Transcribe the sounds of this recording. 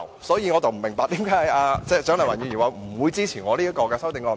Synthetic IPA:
wsɔː˨˥jiː˧ŋɔː˨˧t̪ɐ˨wm̩˨˩mɪ˨˩ŋpaː˧t̪i˨˥mkaː˨˥aː˧t͡sɛː˧t͡ʃœː˨˥lɐ˨waː˨˩nyː˨˧˩i˨˩waː˨˧m̩˨˩wuː˨˧jt͡siː˥t͡sʰiː˨˩nŋɔː˨˧liː˥jɐ˥kɔː˧kɛː˧sɐ˥wt̪ɪ˨˧ŋkɔː˧˩

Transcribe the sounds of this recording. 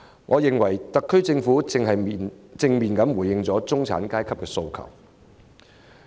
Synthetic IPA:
ŋʔɔ̰ː˨˧jɪ˨ŋwɐ˨˩jt̪ɐ˨kʰːɵ˥ɥt͡sɪ˧ŋfuː˨˥t͡sɪ˨ŋɦɐ˨jt͡sɪ˧ŋmiː˨nkɐ˨˥mwuː˨˩jɪ˨˧ŋt͡sɔː˨˥t͡sʊ˥ŋt͡sʰa̰ː˨˥nkaː˥jkʰɐ˥p̚kɛː˧so˧wkʰɐ̰˨˩w

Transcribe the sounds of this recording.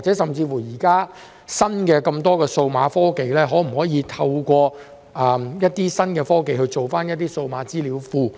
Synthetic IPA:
k̚t͡sɛ˨˥sɐ˨mt͡siː˧fuː˨˩jiː˨˩kaː˥ | sɐ˥nkɛː˧kɐ˧mt̪ɔː˥kɛː˧so˧wmaː˨˥fɔː˥ke˨jlɛː˥ɦɔː˨˥m̩˨˩hɔː˨˥jiː˨˧t̪ʰɐ˧wkʷɔː˧ | ɛ˨˧jɐ˥t̚t̪iː˥sɐ˥nkɛː˧fɔː˥ke˨jhɵ˧jt͡so˨wfaː˥njɐ˥t̚t̪iː˥so˧wmaː˨˥t͡siː˥liː˨˥wfuː˨˧

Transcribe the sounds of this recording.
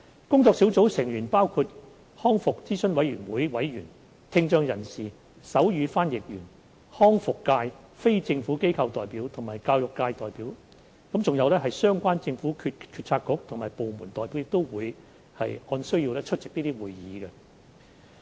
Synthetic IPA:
kʊ˥ŋt͡sɔː˧ksiː˨˥wt͡so˨˥wsɪ˨˩ŋjyː˨˩npaː˥wkʰuː˧t̚ | hɔː˥ŋfʊ˨k̚t͡siː˥sɵ˥nwɐ˨˥jɥyː˨˩nwuː˨˥jwɐ˨˥jɥyː˨˩n | t̪ʰɪ˧ŋt͡ʃœː˧ŋjɐ˨˩nsiː˨˩ | sɐ˨˥wjyː˨˧faː˥njɪ˨k̚jyː˨˩n | hɔː˥ŋfʊ˨kːaː˧j | fe˥jt͡sɪ˧ŋfuː˨˥ke˥jkʰɐ˧wt̪ɔː˨˩jpiː˨˥wt̪ʰʊ˨˩maː˨˩jkaː˧wjʊ˨kːaː˧jt̪ɔː˨˩jpiː˨˥w | kɐ˨˥mt͡sʊ˨ŋjɐ˨˧wlɛː˥ɦɐ˨jsœː˥ŋkʷaː˥nt͡sɪ˧ŋfuː˨˥kʰy˧tkʰyː˧t̚t͡sʰaː˧t̚kʊ˨˥k̚t̪ʰʊ˨ŋmaː˨jpo˨wmuː˨˩nt̪ɔː˨jpi˨˥wjɪ˨kt̪o˥wwuː˨˧j | hɐ̰˨jɔː˧nsɵ˥ɥjiː˧wlɛː˥t͡ʃʰt̚t͡sɪ˨k̚niː˥t̪iː˥wuː˨jjiː˨˧ɡɛ˧

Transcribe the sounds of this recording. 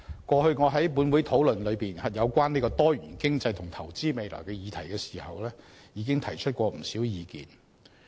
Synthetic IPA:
kʷɔː˧hɵ˧ɥŋɔː˨˧ɦɐ˨˥jpuː˨˥nwuː˨˥jt̪ʰo˨˥wlɵ˨nlɵ˨˧ɥpiː˨nhɐ˨jɐ˨˧wkʷwaː˥niː˥kɔː˧t̪ɔː˥jyː˨˩nkɪ˥ŋt͡sɐ˧jt̪ʰʊ˨˩ŋt̪ʰɐ˨˩wt͡siː˥me˨˧jlɔ̰ː˨˩jkɛː˧jiː˨˧t̪ʰɐ˨˩jkɛː˧si̥ː˨˩hɐ˨wlɛː˥ | jiː˨˧kɪ˥ŋt̪ʰɐ˨˩jt͡ʃʰɵ˥t̚kʷɔː˧m̩˨˩siː˨˥wjiː˨˧kḭː˨n

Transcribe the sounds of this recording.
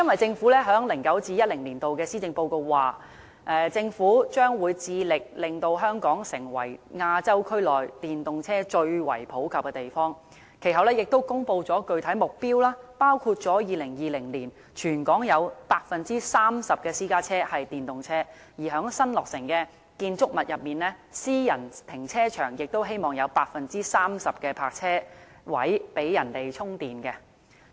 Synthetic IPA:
jɐ˥nwɐ˨˩jt͡sɪ˧ŋfuː˨˥lɛ˥ɦœː˨˥ŋlɪ˨˩ŋkɐ˨˥wt͡siː˧jɐ˥t̚lɪ˨˩ŋliː˨˩nt̪o˨wkɛː˧siː˥t͡sɪ˧ŋpo˧wko˧wwaː˨˩ | ʔɛː˨˩t͡sɪ˧ŋfuː˨˥t͡ʃœː˥ŋwuː˨˧jt͡siː˧lɪ˨k̚lɪ˨ŋt̪o˧wɦœː˥ŋkɔː˨˥ŋsɪ̰˨˩ŋwɐ̰˨˩jŋaː˧t͡sɐ˥wkʰɵ˥ɥlɔː˨jt̪iː˨nt̪ʊ˨ŋt͡sʰɛː˥t͡ʃɵ˧ɥwɐ̰˨˩jpʰo˨˥wkʰɐ˨p̚kɛː˧t̪e˨˩jfɔː˥ŋ | kʰe˨˩jɦɐ˨wlɛː˥jɪ˨k̚t̪o˥wkʊ˥ŋpo˧wt͡sɔː˨˥kɵ˧ɥt̪ʰɐ˨˥jmʊ˨k̚piː˥wlaː˥paː˥wkʰuː˧t̚t͡sɔː˨˥jiː˨˧lɪ˨˩ŋjiː˨˧lɪ˨˩ŋliː˨˩n | t͡ʃʰyː˨˩nkɔː˨˥ŋjɐ˨˧wpaː˧k̚fɐ˨nt͡siː˥saː˥msɐ˨p̚kɛː˧siː˥kaː˥t͡sʰɛː˥hɐ˨jt̪iː˨nt̪ʊ˨ŋt͡sʰɛː˥ | jiː˨˩ɦœː˨˥ŋsɐ˥nlɔː˨k̚sɪ˨˩ŋkɛ˧ | kiː˧nt͡sʊ˥k̚mɐ˨t̚jʔɐ˨p̚miː˨nlɛː˥siː˥jɐ˨˩nt̪ʰɪ˨˩ŋt͡sʰɛː˥t͡ʃʰœː˨˩ŋjɪ˨k̚t̪o˥wɦe˥jmɔː˨ŋjɐ˨˧wpaː˧k̚fɐ˨nt͡siː˥saː˥msɐ˨p̚kɛː˧pʰaː˧k̚t͡sʰɛː˥ | wɐ̰˨˥jpe˨˥jjɐ˨˩nt̪e˨jt͡sʰʊ˥ŋt̪iː˨˩nkɛ˧

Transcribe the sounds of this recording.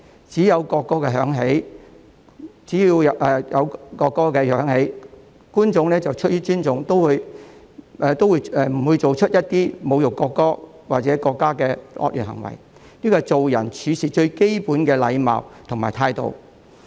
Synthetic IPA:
t͡siː˨˥jɐ˨˧wkɔː˧kːɔː˥kɛː˧ɦœː˨˥ŋɦe˨˥j | t͡siː˨˥jiː˧wjɐ˨ʔɛː˨˩jɐ˨˧wkɔː˧kːɔː˥kɛː˧jœː˨˥ŋhe˨˥j | kuː˥nt͡sʊ˨˧ŋlɛː˥t͡sɐ˨wt͡ʃʰɵ˥t̚jyː˥t͡ʃyː˥nt͡sʊ˧˥ŋt̪o˥wwuː˧j | ʔɛː˨˩t̪o˥wuː˨˧jɛ˨˩m̩˨˩wuː˨˧jt͡so˨wt͡ʃʰɵ˥t̚jɐ˥t̚t̪iː˥mo˨˧wjʊ˨˩kːɔː˧kːɔː˥ | waː˨t͡sɛː˨˥kɔː˧kːaː˥kɛː˧ɔ̰˧˥jy̰ː˨˩nhɐ̰˨˩ŋwɐ̰˨˩j | niː˥kɔː˧t͡so˨wjɐ˨˩nt͡ʃʰyː˨˧sʰiː˨t͡ʃɵ˧ɥke˥jpuː˨˥nkɛː˧lɐ̰˨˧jma̰ː˨wt̪ʰŋmaː˨˩jt̪ʰaː˧jt̪o̰˨w

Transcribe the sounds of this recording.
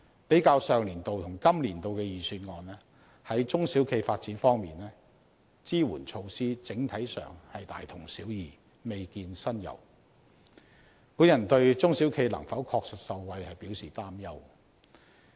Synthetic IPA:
pe˨˥jkaː˧wsœː˨ŋliː˨˩nt̪o˨wt̪ʰʊ˨˩ŋkɐ˥mliː˨˩nt̪o˨wkɛ˧jiː˨syː˧n̚ŋɔː˨nɛ˥ | hɐ˨˥jt͡sʊ˥ŋsiː˨˥wkʰe˧jfaː˧t̚t͡siː˨˥nfɔː˥ŋmiː˨nɛː˥ | t͡siː˥wṵː˨˩nt͡ʃʰo˧wsiː˥t͡sɪ˨˥ŋt̪ʰɐ˨˥jsœ̰ː˨˩ŋhɐ˨jt̪a̰ː˨jt̪ʰʊ˨˩ŋsiː˨˥wjiː˨ | me˨jkiː˧nsɐ˥njɐ̰˨˩w | puː˨˥njɐ˨˩nt̪ɵ˧ɥt͡sʊ˥ŋsi˨˥wkʰe˧jlɐ̰˨˩ŋfɐ˨˥wkʰɔː˧k̚sɪ˨t̚sɐ˨˧wwɐ˧jhɐ˨jpi˨˥wsiː˨˩t̪aː˥mjɐ˥w

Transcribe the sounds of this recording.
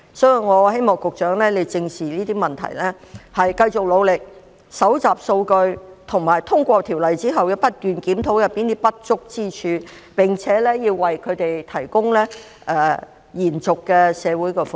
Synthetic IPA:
sɔː˨˥ji˨˩ŋɔː˨˧he˥jmɔː˨ŋkʊ˨k̚t͡ʃœː˨˥ŋlɛː˥le˨˧jt͡sɪ˧ŋsiː˨˩liː˥t̪iː˥mɐ˨nt̪ʰɐ̰˨˩jlɛː˥hɐ˨jkɐ˧jt͡sʊ˨k̚lo˨˧wlɪ˨k̚ | sɐ˨˥wt͡saː˨˩p̚so˧wkɵ˧ɥt̪ʰʊ˨˩ŋmaː˨˩jt̪ʰʊ˥ŋkʷɔː˧t̪ʰiː˨˩wlɐ˨jt͡siː˥ɦɐ˨wjɐ˧wpɐ˥t̚t̪yː˨nkiː˨˥mt̪ʰo˨˥wjɐ˨pːiː˥nt̪i˥pɐ˥t̚t͡ʃʊ˥k̚t͡siː˥t͡ʃʰyː˨˧ | pɪ˨ŋt͡sʰɛː˨˥lɛ˥jiː˧wːɐ˨jkʰɵ˨˧ɥt̪e˨jt̪ʰɐ˨˩jkʊ˥ŋlɛː˥ | ʔɛː˧ | jiː˨˩nt͡sʊ˨kːɛː˧sɛː˨˧wu˨˥jkɛ˧fʊ˨

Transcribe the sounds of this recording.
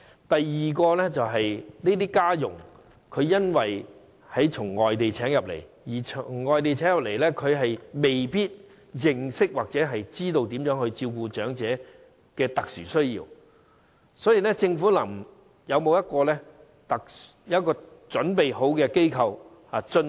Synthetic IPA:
t̪ɐ˨jːiː˨kɔː˧lɛː˥t͡sɐ˨wɦɐ˨jniː˥t̪̬iː˥kaː˥jʊ̰˨˩ŋ | kʰɵ˨˧ɥjɐ˥nwɐ˨j | hɐ˨˥jt͡ʃʰʊ˨˩ŋːɔː˨jt̪e˨jt͡sʰɛː˨˥ŋjɐ˨p̚lḛ˨˩j | jiː˨˩t͡sʰʊ˨˩ŋːɔː˨jt̪e˨jt͡sʰɛː˨˥ŋjɐ˨p̚le˨˩lɛː˥kʰɵ˨˧ɥɦɐ˨jme˨jpiː˥t̚ | jɪ˨˩ŋsɪ˥k̚waː˨k̚t͡sɛː˨˥ɦɐ˨jt͡siː˥t̪o˧wt̪̬iː˨˥mjœː˨˥ŋhɵ˧ɥt͡siː˧wkuː˧t͡ʃœː˨˥ŋt͡sɛː˨˥ | kɛː˧t̪ɐ˨k̚syː˨˩sɵ˥ɥjḭː˧w | sɔː˨˥jiː˨lɛː˥t͡sɪ˧ŋfuː˨˥lɐ˨˩m | jɐ˨˧wmo˨˧wjɐ˥t̚kɔː˧lɛː˥ | t̪ɐ˨k̚sjɐ˥t̚kɔː˧t͡ʃɵ˨˥npe˨jho˨˥wkɛː˧ke˥jkʰɐ˧w | haː˨˧t͡sɵ˧n

